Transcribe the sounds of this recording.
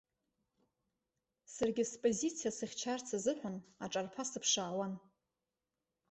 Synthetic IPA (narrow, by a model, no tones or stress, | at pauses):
sarɡʲɪspʼozit͡sʰijasɨχʲt͡ʃʰart͡sʰazɨħʷanaʈ͡ʂʼarpʰasɨpʰʂaːwan